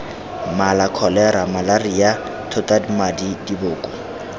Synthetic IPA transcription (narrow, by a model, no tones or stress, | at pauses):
malakʰɔlɛɾamalarija | tʰʊtʼadimadidibʊːkʼʊ